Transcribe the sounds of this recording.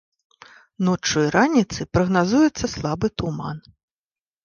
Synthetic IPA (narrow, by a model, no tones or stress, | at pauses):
nɔt͡ʂːujɾanʲit̪sɨpɾɐɣnazujɛt̪sːɐslˠabɨt̪uma̰n